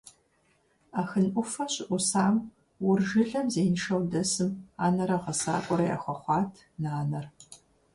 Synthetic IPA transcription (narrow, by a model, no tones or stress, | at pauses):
aːxɨnʔʷʊfɐɕʼɪʔʷʊsaːm | wʊrʒɨɮɐmzeːnʃɐwdɐsɨmaːnɐɾɐʁɐsa̰ːkʷʼɔɾɐja̰ːxʷɔχʷɑːtʰ | naːnɐr